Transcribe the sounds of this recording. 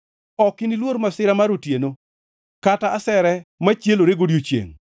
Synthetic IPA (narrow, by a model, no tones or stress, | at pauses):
ɔkinilwoɾmasɪɾamaɾotjeno | kataːsɛɾɛmat͡ʃjeloɾeɡodjot͡ʃjḛŋ